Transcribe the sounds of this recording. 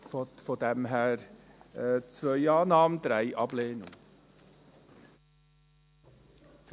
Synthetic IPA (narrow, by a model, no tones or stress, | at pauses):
ffɔd̪æmɦæːɾ | t͡svœʏɑːnɑːmnd̪̥ɾæɪʔɑb̥leːnʊ̰ŋ | f